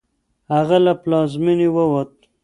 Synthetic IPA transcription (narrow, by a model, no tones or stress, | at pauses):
haɣalaplɑzminiwəwat̪̚